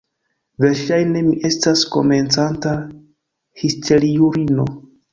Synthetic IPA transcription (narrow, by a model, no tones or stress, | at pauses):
ve̞ɾʃajne̞miʔe̞stasko̞̰me̞nt͡santa | histʰe̞ɾiuɾino̞̰